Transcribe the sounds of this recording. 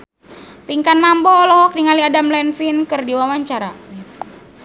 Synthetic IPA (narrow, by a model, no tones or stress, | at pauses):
piŋkanmambɔːlɔɦɔk̚niŋaliadamlɛnfinkɨrdiwawaɲt͡ʃaɾa̰